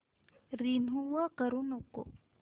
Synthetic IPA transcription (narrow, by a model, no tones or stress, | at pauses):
ɾinɦuwakəɾunoko̰